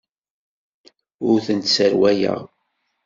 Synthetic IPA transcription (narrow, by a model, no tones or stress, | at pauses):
ʊɾθənt̪səɾwæjə̰ʁ